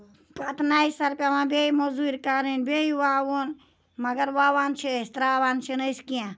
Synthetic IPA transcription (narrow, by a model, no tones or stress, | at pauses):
pɐt̪naːisɐɾpʲaːmãːbeimozuːɾʲkaɾinbeiwaːwon | mɐɡɐɾʋaːʋaːnt͡ʃʰist̪ɾaːʋaːnt͡ʃʰinəskiã